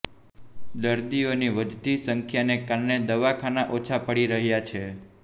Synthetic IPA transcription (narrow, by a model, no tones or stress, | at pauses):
d̪əɾd̪ioniʋəd̪t̪isəŋkʰjanekaɾɳed̪əʋakʰanaʔot͡ʃʰapəɽiɾəɦjat͡ʃʰe